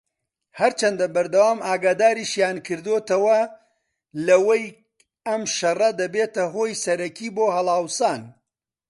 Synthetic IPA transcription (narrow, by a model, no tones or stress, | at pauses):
hɐɾt͡ʃʰɐnd̪ɐbɐɾd̪ɐwaːmaːɡaːd̪aːɾiʃjaːnkʰɨɾd̪ot̪ɐwɐ | lɐwɐj | ɐmʃɐrɐd̪ɐbeːt̪ɐɦoːjsɐɾɐkʰiːboːɦɐlˠaːwsaːn